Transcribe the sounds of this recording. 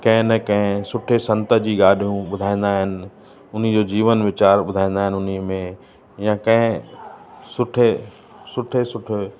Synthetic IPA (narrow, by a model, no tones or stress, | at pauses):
kɐ̃ɦɪ̃nɛkɐ̃ɦɪ̃sʊʈʰesɐ̃nt̪ə̆d͡ʑiːɠaːɗʱijũɓʊd̪ʱaːĩːn̆d̪aːɦɪnɪ̆ | ʊn̤ĭd͡ʑoːd͡ʑiːʋənʋɪt͡ɕaːɾɓʊd̪ʱãĩːn̆d̪aːɦɪ̃nɪʊn̤imẽ | jãkɐ̃ɦɪ̃ | sʊʈʰe | sʊʈʰesʊʈʰe